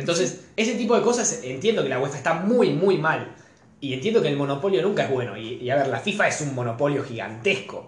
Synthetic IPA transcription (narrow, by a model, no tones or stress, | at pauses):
nt̪o̞nsesese̞t̪ip̬o̞ðeko̞sasent̪jend̪o̞kelawet̪aest̪amujmujmal | ient̪jend̪o̞keːlmo̞no̞po̞ljo̞nũŋkaeɦβwe̞no̞̰iːaβeɾlafifaesummo̞no̞po̞ljo̞xiɣa̰nt̪esko̞̰